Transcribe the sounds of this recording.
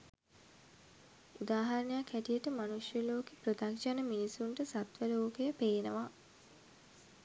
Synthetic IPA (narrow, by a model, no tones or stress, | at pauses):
ud̪aːɦaɾənejakʰːæʈijəʈəmanuʂjəloːkepɾot̪akʃanəminisuɳʈəsat̪ʋəloːkejəpeːnəʋa